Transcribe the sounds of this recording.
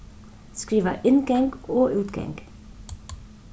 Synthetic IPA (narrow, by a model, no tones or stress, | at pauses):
skɹiːʋəʔɪnɡɑŋɡoːʔʉːt̪ɡɑ̰ŋɡ̥